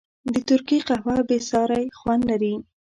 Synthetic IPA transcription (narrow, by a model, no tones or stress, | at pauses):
d̪ət̪ʊɾkiqahwɑbesɑɾajxwand̪laɾi